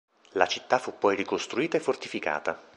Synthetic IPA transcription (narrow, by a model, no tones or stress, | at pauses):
lat͡ʃit̪ːafːupːɔjrikost̪ɾuiːt̪aefːort̪ifika̰ːt̪a